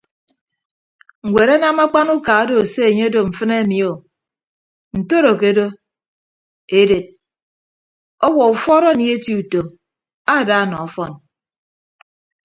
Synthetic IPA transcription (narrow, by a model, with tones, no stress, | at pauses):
ŋ̩˨ɡʷe˨ɾa˦na˦ma˦k͡pa˦nu˦ka˨a˦do˨se˦e˨ɲe˦do˨m̩˨fɨ˦ne˦˨mi˨o˨ | n̩˨to˦ɾo˨ke˨˦do˦ | e˨de˨t̚ | ɔ˦wɔ˨u˨fɔ˦ɾɔ˦˨ni˨˦e˦ti˨u˨to˨m | a˦˨da˨˦˨nɔ˨ɔ˦fɔ˦n